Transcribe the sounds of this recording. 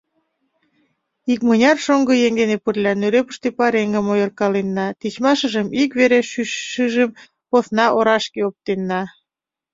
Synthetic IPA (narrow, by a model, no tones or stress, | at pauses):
ik̚mənʲɑrʃoŋɡɤjeŋɡenepərlʲɑnøɾepə̥̆ʃt̪epɑɾeŋɡə̆mojərkɑlenːɑt̪it͡ɕmɑʃəʒəmikβeɾeʃyʃːəʒəm | poθnɑʔoɾɑʃkeop̚t̪enːɑ